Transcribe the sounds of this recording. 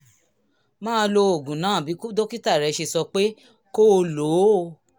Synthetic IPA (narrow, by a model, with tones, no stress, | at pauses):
mãː˦˧lo˧o˨ɡũ˨nãː˨˦˨bi˨˦ku˦do˦ki˦ta˦˨ɾɛ˨˧ʃe˧˨sɔ˧k͡pe˦ | ko˦˧lo˨˦